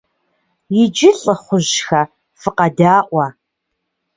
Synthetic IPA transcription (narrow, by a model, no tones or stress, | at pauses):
jɪd͡ʒɪɬʼəχʷʊʑxɐ | fɨqɑdaːʔʷɐ